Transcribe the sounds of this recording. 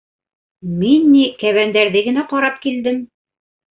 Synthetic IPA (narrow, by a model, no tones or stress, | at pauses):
minːikæβænd̪æɾðɘɡɘ̆næqɑɾɑp̚kild̪ɘm